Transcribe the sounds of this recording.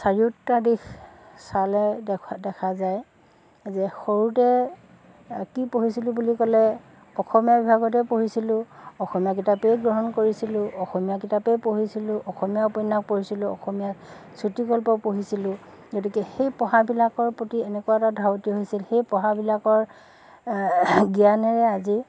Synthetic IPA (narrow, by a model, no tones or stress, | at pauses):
saɹiʊtːadixsalɛdɛkʰazaj | zɛxoɹutɛ | kipoɦisilʊ̃bulikɔlɛ | ɔxɔmijabibʱaɡɔtɛpoɦisilʊ̃ɔxɔmijak̬itapɛjɡɹɔɦɔnkoɹisilʊ̃ɔxɔmijakitapepoɦisilʊ̃ʔɔxɔmijaupɔjnak̚poɹisilʊ̃ɔxɔmijak | sutikɔlpɔpoɦisilʊ̃ | ɡotikɛxejpɔɦabilakɔɹpotiɛnɛkuwaɛtadʱaɹotiɔɦojsilxejpɔɦabilakɔɹ | ɡianɛɹɛazi